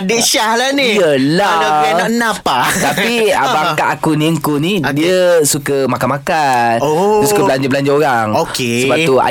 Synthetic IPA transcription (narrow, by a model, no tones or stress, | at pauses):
diʔʃahlaniijəlanaɡanaʔnãpat̪apiabakaʔakuniəŋkunidiəsukəmakanmakanosukkəssukəblaɲd͡ʒabəlaɲd͡ʒaoɾaŋokesəpaʔt̪ua̰